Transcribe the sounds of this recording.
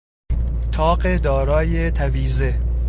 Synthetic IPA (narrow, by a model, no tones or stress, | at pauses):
t̪ʰɒːɢed̪ɒːɾɒːjet̪ʰæviːze